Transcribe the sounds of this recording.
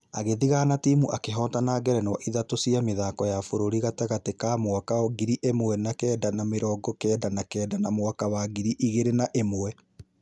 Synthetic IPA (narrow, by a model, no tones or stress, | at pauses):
a̰ɣeðiɣaːnatiːmuʔakeɦɔːtanaɡɛɾɛnwaʔiðatosiameðaːkɔjafoɾoɾiɣatɛɣatekamwakaoɡiɾiʔemwɛnakɛːdanameɾɔːɡɔkɛːdanakɛːdanamwakawaɡiɾiʔiɣeɾenaʔemowɛ